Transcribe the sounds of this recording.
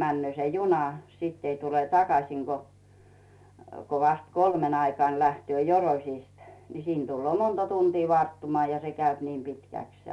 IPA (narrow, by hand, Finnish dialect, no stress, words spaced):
mænːøː se junɑ siˑtː ei tule tɑkɑsiˑŋ ɡ̊o ko ʋɑst kolmeŋ ɑikɑːn̞ læhty̆ø joroĭsist ni siːn d̥ulːŭoˑ montɑ tuntiː ʋɑrtːumŏɑˑ jɑ se kæyp ni pitkæˑks se